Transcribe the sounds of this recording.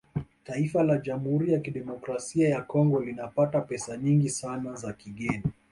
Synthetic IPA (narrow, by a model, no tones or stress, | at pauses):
taifalaʄamhuɾijakiɗɛmɔkɾasiajakɔŋɡɔlinapatapɛsaɲiŋɡisanazakiɠɛni